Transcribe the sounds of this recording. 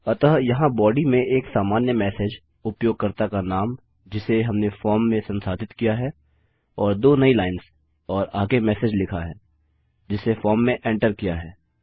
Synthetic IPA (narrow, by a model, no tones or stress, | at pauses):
ɐt̪əɦjɐɦãbɔːɖimẽeːksaːmaːnjəmɛːsed͡ʒ | ʊpjoːɡ̚kɐɾt̪akanaːm | d͡ʒɪseɦɐmnefɔːɾmːẽsɐ̃nsaːd̪ʱɪt̪kijaɦɛː | ɔːɾd̪oːnɐilaːɪns | ɔːɾaːɡemɛːsed͡ʒlɪkʰaɦɛː | d͡ʒɪsefɔːɾmːẽʔẽːɳʈəɾkijaɦɛː